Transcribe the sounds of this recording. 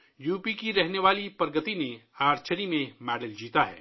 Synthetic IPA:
juːpikiɾɛɦneʋaːlipəɾɡət̪ineaːɾt͡ʃəɾimẽmɛːɖəld͡ʒiːt̪aɦɛ̰ː

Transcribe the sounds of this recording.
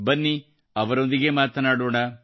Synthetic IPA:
bɐnːi | ɐʋɐɾo̞nd̪iɡe̞maːt̪ɐnaːɽoːɳɐ

